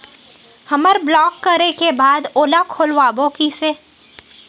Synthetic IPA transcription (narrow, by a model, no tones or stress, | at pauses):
hɐməɾblɔːkːɐɾekebaːd̪oːlakʰːolʋaːbõːkiseː